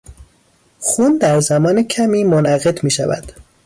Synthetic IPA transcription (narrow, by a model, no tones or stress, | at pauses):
xuːnd̪æɾzæmɒːnecʰæmiːmonʔæɣe̞d̪miːʃævæ̰d̪̥